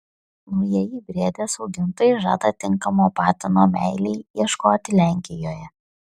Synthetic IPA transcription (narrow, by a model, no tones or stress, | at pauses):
nʊjijiːbʲɾʲeɛd̪ʲeːsɒʊɡʲɪnt̪oːjɛɪʒɑ̰ːd̪ɐt̪ʲɪŋˑkɐmoːpɑːt̪ʲɪnoːmʲæɪlʲɛɪiɛʃkoːt̪ʲɪlʲæˑŋʲkʲɪjoːjɛ